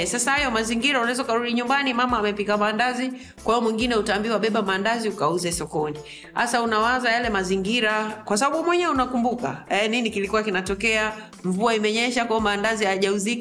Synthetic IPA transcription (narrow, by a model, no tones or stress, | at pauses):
sasahajɔmaziŋɡiɾaunaizaukaɾuɗiɲumbanimamaːmɛpikamandazi | kwaiɔmwiŋɡinɛutaːmbiwaɓɛɓamaːndaziukauzɛsɔkɔni | a̰saunawazajalɛmaziŋɡiɾakwas̬aɓaɓumwɛɲɛunakumbuka̰ɛninikilikuwakinatɔkɛa | ɱvuaimɛɲɛʃakwambandazihaʄauzik